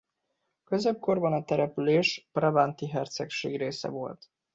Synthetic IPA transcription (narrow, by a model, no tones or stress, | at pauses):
kø̞zeb̚ko̞rbɒnɒt̪ɛɾɛpyleːʃprɒbant̪iɦɛrt̪sɛkʃḛːɡreːsɛ̰vo̞̰lt̪